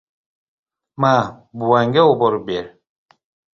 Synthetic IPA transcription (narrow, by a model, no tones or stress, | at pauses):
mabuaŋɡeobɔɾbeɾ